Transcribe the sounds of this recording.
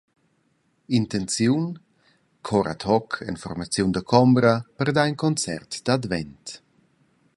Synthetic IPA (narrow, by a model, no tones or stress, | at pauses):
int̪ɛnt͡sjun | kʰɔɾʔa̰t̪hɔkʰɛ̰nfɔ̰rmat͡sjund̪əkʰɔmbɾəpərd̪ainkɔnt͡sɛ̰rt̪d̪̥ad̪vɛ̰nt̪